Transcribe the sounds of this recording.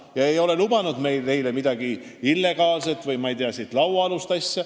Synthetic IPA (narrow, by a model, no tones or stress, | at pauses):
jɑejo̞le̞lubɑnud̪me̞jlːe̞jlemid̪̥ɑɡ̥iilːe̞ɡ̥ɑːlse̞t̪vɯjmɑijd̪eɑsiːt̪ˑlɑwɑɑlust̪ɑsʲːɑ